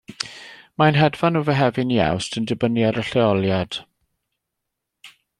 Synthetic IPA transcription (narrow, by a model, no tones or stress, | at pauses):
manɦɛdvanuvəɦɛvɪnia̰wstʰəndɪbənjaɾəɬɛɔlˠjad̥